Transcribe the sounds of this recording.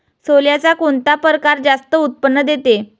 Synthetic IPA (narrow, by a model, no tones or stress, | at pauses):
soljat͡sakoɳt̪apəɾkaɾd͡zast̪əut̪̚pənːəd̪et̪e